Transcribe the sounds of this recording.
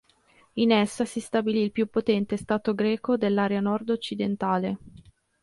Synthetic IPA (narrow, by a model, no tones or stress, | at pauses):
inɛsːasist̪abiliːlpjupːot̪ɛnt̪est̪aːt̪oɡɾɛːkod̪elːaːɾeanɔrd̪ot͡ʃːid̪ent̪aːle